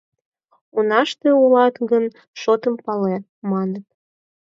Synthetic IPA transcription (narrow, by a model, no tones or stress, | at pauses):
unɑʃt̪eulɑt̪ɡən | ʃot̪əmpɑle | mɑnət̪̚